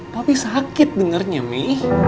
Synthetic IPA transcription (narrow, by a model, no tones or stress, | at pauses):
t̪apisakɪt̪̚dəŋərɲamih